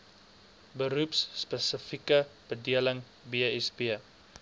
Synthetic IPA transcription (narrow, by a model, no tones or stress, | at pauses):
bəɾupsːpəsəfikəb̥ədiələŋ | biəɛsbiə